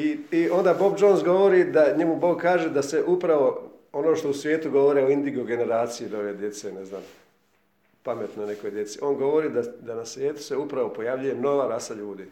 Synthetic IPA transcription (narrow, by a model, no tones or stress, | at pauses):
iio̞nd̪aːbo̞bd͡ʒo̞nsɡo̞ʋo̞ɾiːd̪aɲemubo̞ːɡkaːʒed̪aseʔupɾaʋo̞o̞no̞ːʃt̪o̞usʋʲjeːt̪uɡo̞ʋoɾeoind̪iɡoɡe̞ne̞ɾaːt̪sijid̪oʋed̪je̞t̪senezna̰ːm | pame̞t̪none̞kojd̪je̞t̪siʔo̞ːnɡo̞ʋo̞ɾiːd̪ad̪anasʋjeːt̪u̥se̞upɾaʋo̞po̞jaʋʎuje̞no̞ʋaɾasaʎuːd̪i